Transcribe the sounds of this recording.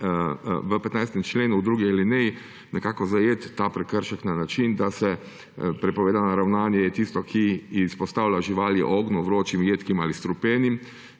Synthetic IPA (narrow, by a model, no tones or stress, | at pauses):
ʋəpɛt̪najst̪ɛmt͡ʃleːnuːd̪ɾuːɡialinɛji | nɛkaːkɔzajet̪ːaːpɾɛkəɾʃəknanat͡ʃind̪asɛ | pɾɛpɔʋeːd̪anaɾawnaːnjɛjɛt̪ist̪ɔkʰispɔst̪aːwlʲaʒiʋaːljḭʔɔɡnɔʋɾoːt͡ʃimjeːt̪kimalist̪ɾupeːnim